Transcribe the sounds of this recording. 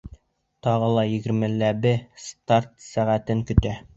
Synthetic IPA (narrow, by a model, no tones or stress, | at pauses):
t̪ɑʁɤlˠɑjɘ̆ɡɘ̆ɾmɘ̆lːæbɘst̪art̪sæʁæt̪ɘŋkɵ̆t̪æ